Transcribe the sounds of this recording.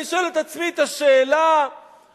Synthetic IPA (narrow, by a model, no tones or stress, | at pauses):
iʃoelet̪at͡smit̪aʃeːla